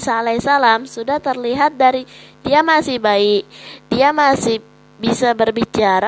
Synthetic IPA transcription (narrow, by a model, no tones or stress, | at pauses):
salasalamsudaht̪ərliɦat̪̚daɾidiamasɪhbaɪk̚diamasɪh | bisabərbit͡ʃaɾa